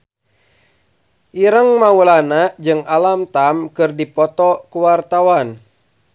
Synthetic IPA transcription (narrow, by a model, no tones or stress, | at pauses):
ʔiɾəŋmaulanad͡ʒɨŋalamt̪amkɨrdipɔt̪ɔkuwart̪awan